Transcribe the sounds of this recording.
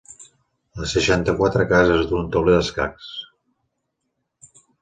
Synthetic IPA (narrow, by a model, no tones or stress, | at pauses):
ləsəʃant̪əkwat̪ɾəkazəzðunt̪ɔβleðəska̰ks